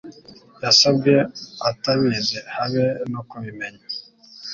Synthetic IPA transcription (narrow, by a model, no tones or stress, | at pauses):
jasabɡeataβizehaβenokuβimeɲa